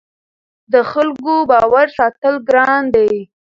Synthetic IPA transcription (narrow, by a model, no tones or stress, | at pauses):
d̪əxalkobɑwaɾsɑt̪əlɡɾɑnd̪aj